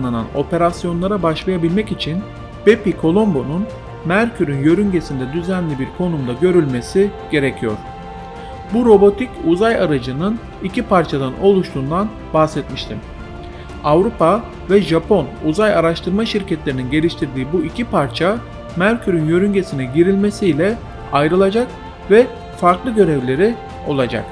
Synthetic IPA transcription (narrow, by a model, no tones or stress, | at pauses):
nlˠana̰no̞̰pe̞ɾasjo̞nlˠaɾabaʃlˠajabilʲmɛcit͡ʃʰin | bepikʰo̞lˠo̞mbo̞nun | mæɾcʰyɾynjø̞ɾyɲɟe̞sind̪ɛd̪yzænlʲibiɾkʰo̞numd̪aɟø̞ɾylʲme̞siɟ̥e̞ɾecʰijo̞̰ɾ̥ | buɾo̞bo̞t̪ʰicuzajaɾad͡ʒɯnɯn | icʰipʰaɾt͡ʃʰad̪ano̞lˠuʃt̪ʰuːnd̪an | bahsɛt̪miʃt̪ʰim | avɾupʰa | vɛʒapʰo̞nuzajaɾaʃt̪ʰɯɾmaʃiɾcʰɛt̪lʲe̞ɾininɟe̞lʲiʃt̪ʰiɾd̪iːbuicʰipʰaɾt͡ʃʰa | mæɾcʰyɾynjø̞ɾyɲɟe̞sinɛɟiɾilʲme̞sijlʲɛ | ajɾɯlˠad͡ʒak | vɛ | faɾklˠɯɟø̞ɾɛvlʲe̞ɾi | o̞̰lˠad͡ʒa̰k